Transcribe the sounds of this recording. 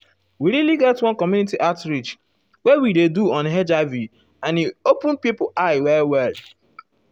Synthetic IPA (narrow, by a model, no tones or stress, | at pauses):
wiɾiliɡɛtwɔ̃nkɔmjunitiʔatɾid͡ʒ | wɛwideduɔ̃nɦɛd͡ʒavi | ãniopʊ̃npipʔaɪwɛwɛl